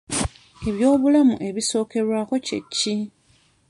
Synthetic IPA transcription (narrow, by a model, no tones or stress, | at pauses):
e̞βjo̞ːβulamṵʔe̞βiso̞ːke̞ɾwaːko̞ce̞̰cːi